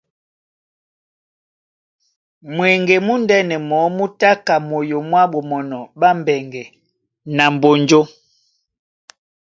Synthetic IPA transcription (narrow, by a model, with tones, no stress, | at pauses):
mwɛ˨ŋɡɛ˨mu˦ndɛ˦nɛ˨mɔ˨˦mu˦ta˦ka˨mo˨jo˨mwa˦ɓo˨mɔ˨nɔ˨ɓa˦m˨bɛ˨ŋɡɛ˨ | na˨m˨bo˨nɲd͡ʒo˦